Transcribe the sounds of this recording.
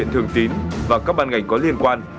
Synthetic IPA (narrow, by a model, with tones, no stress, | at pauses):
nt̪ʰɨ˨˩əŋt̪i˨˦nvaː˨˩kaː˦˥k̚ɓaː˧nŋa˨˩jŋ̟kɔ˨˦li˧ənkwaː˧n